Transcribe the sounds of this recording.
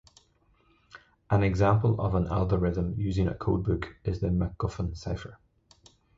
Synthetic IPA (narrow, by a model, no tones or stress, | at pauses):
ʔə̃nɛɡzãmpəlˠə̰və̃nʔa̰lˠɡəɹɪðə̃mjʉːzɪ̃ŋə̰kʰo̰d̚bʉkʰɪzðəməɡ̥̚ɔfə̃nsaɪfə˞